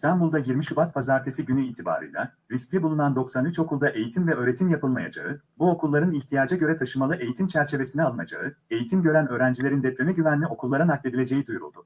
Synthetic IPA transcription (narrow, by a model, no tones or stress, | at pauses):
ist̪ʰanbulˠd̪ajiɾmiʃubat̪̚pʰazaːɾt̪ʰe̞siɟynyiːt̪ʰiba̰ːɾɯ̰jlˠa̰ | ɾiscʲɛbulˠunand̪o̞ksanyt͡ʃo̞kʰulˠd̪aʔe̞jit̪ʰimvɛø̞ːɾe̞t̪ʰimjapʰɯlˠmaja̰d͡ʒa̰ɯ | buo̞kulˠːaɾɯniçt̪ʰijaːd͡ʒaɟø̞ɾɛt̪ʰaʃɯmalˠɯʔe̞jit̪ʰimt͡ʃʰæɾt͡ʃʰe̞ve̞sinɛalˠɯnad͡ʒa̰ɯe̞jit̪ʰimɟø̞ɾænøːɾænd͡ʒilʲe̞ɾind̪ɛplʲønɛɟyvænlʲio̞kʰulˠːaɾanaklʲe̞d̪ilʲe̞d͡ʒe̞jid̪ujɾṵlˠd̪ʊ